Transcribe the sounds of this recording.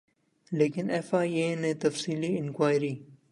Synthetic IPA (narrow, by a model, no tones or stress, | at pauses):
leːkɪnefaːieːnẽːt̪ɐfsiːliɪnkwaːjɾiː